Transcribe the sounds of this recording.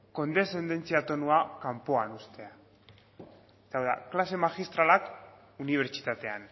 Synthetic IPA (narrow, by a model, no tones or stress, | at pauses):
ko̞nd̪e̞se̞nd̪e̞nt͡siat̪o̞nuakampoanust̪e̞a | est̪awða̰klase̞maxist̪ɾalak | uniβ̞eɾt͡ʃi̥t̪at̪e̞an